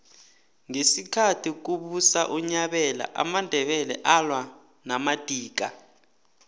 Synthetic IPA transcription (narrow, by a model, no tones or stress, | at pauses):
ŋesikʰatʰik̬uɓusa̰ʔuɲaɓɛla̰ʔa̰mandʱɛɓɛlɛ̰ʔalwa | namad̥ʱiːk̬a̰